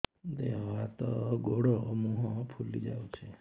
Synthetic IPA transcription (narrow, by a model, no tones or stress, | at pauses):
d̪eɦat̪ɔɡoɽɔmuɦɔ̃pʰulid͡ʒawt͡ʃʰe